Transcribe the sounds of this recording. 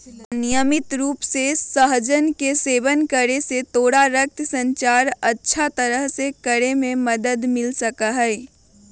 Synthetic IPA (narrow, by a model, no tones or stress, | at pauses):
nɪjəmɪt̪ɾuːpsesəɦd͡ʒənkeseːʋənkəɾeset̪oːɽaɾək̚t̪sə̃ɲt͡ʃaːɾɐtːʃʰat̪əɾəɦsekəɾemẽmɐd̪əd̪mɪlsɐkaɦɛː